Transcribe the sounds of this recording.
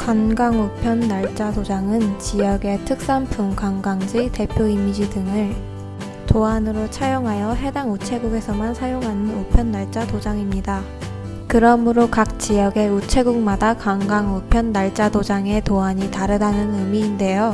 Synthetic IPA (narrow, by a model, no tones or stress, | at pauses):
kanɡaŋupʰjʌnːaɭt͡ɕ͈adod͡ʑaŋɯnt͡ɕijʌɡe̞tʰɯk̚s͈ampʰumkwaŋɡaŋd͡ʑite̞pʰjoimid͡ʑidɯŋɯɭ | toanɯɾot͡ɕʰajoŋɦajʌɦe̞daŋut͡ɕʰe̞ɡuɡe̞sʰʌmansʰajoŋɦanɯnupʰjʌnːaɭt͡ɕ͈adod͡ʑaŋimɲida | kɯɾʌmɯɾokak̚t͡ɕ͈ijʌɡe̞ut͡ɕʰe̞ɡuŋ̚madakaŋɡaŋupʰjʌnːaɭt͡ɕ͈adod͡ʑaŋe̞toaɲitaɾɯdanɯnɯmiːnde̞jo